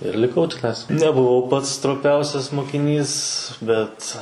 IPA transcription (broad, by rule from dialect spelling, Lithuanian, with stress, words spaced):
ɪr lʲɪˈkɐʊ tʲɪˈnɐɪs nʲɛbʊˈʋɐʊ ˈpɐts stroːˈpʲɛʊsʲɛs moːkʲɪˈnʲiːs ˈbʲɛt